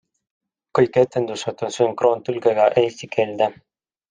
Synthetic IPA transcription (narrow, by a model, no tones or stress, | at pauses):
kɤjket̪ːend̪usɑt̪onsyŋkroːnt̪ylɡeɡɑʔeːst̪ikʰeːld̪æ